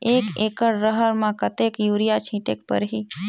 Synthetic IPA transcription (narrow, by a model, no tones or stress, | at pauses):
eːkeːkəɽːəɦəɾmãkət̪ekjuːɾijat͡ʃʰĩːʈḛk̚pə̰ɾɦiː